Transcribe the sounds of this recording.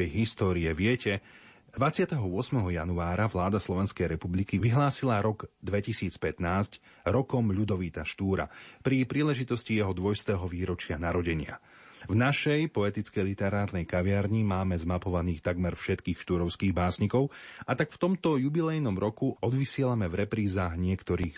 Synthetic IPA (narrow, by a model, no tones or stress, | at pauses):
ɛjɦist̪ɔːɾiɛʋɪɛcɛ | d̪̥ʋat͡sɪat̪ɛɦɔʊɔsmɛɦɔjanuaːɾaʋlaːd̪aslˠɔʋɛnskɛjɾɛpublikiʋiɦlaːsilaɾɔɡd̪ʋɛcisiːt͡spɛt̪naːsc | ɾɔkɔmʎud̪ɔʋiːt̪aʃt̪uːɾa̰pɾipɾiːlɛʒit̪ɔscijɛɦɔd̪ʋɔjst̪ɛːɦɔʋiːɾɔt͡ʃɪanaɾɔɟɛɲɪa̰ | vnaʃɛjpɔɛt̪it͡skɛjlit̪ɛɾaːɾnɛjkaʋɪaɾɲimaːmɛzmapɔʋaniːxt̪aɡmɛɾfʃɛt̪kiːxʃt̪uɾɔʊskiːɣbaːsɲikɔʊat̪akft̪ɔmt̪ɔjubilɛjnɔmɾɔkuɔd̪ʋisɪɛlamɛvɾɛpɾiːzaːɣɲɪɛkt̪ɔɾiːx